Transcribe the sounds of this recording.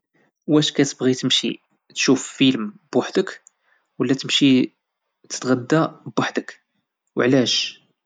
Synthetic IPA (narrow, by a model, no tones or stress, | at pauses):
wæʃkæt̪əbɣit̪əmʃḭ | t̪ʃuffilmb̥waħd̪ək | wəlːæt̪əmʃi | t̪ə̥t̪ɣæd̪ːæbwaħd̪ək | wəʕlæʃ